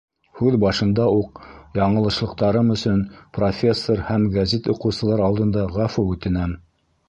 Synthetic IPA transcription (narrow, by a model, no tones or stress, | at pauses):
hʉðbɑʃɤ̆nd̪ɑuq̚jɑɴɤ̆lˠɤ̆ʃlˠɤ̆q̚t̪ɑɾɤmɵ̆sɵnprofʲe̞sːoɾhæmɡæzit̪ŏqɤ̆wsɤ̆lˠɑɾɑlˠd̪ɤ̆nd̪ɑʁæfuʉt̪ɘ̆næm